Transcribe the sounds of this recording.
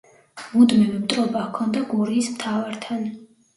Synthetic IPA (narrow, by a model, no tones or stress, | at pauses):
mud̪mɛvɛmt̪ʼɾɔbakʰɔnd̪aɡuɾiːsmt̪ʰavaɾt̪ʰan